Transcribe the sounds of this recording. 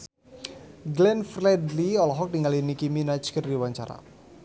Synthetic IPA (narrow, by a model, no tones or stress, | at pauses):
ɡlɛnfrɛdliɔlɔɦɔk̚diŋalinikiminat͡ʃkərdiwaɲt͡ʃa̰ɾa̰